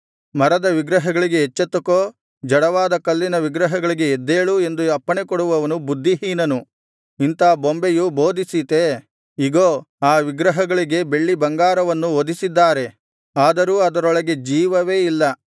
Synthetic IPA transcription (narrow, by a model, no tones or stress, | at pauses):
mɐɾɐd̪ɐʋiɡɾɐɦɐɡɐɭiɡe̞ɦːt͡ʃːɐt̪ːɐkoː | d͡ʒɐɽɐʋaːd̪ɐkɐlːinɐʋiɡɾɐɦɐɡɐɭiɡe̞ːd̪ːe̞ːɭue̞nd̪uɐpːɐɳekɔɽuʋɐʋɐnubud̪ʱːiɦiːnɐnu | int̪ɐːbombejubo̞ːd̪isit̪e̞ | iɡoː | aːʋiɡɾɐɦɐɡɐɭiɡe̞be̞ɭːibɐŋɡaːɾɐʋɐnːuod̪isid̪ːaːɾe̞ | aːd̪ɐɾuːɐd̪ɐɾɔɭɐɡe̞d͡ʒiːʋɐʋe̞ːilːɐ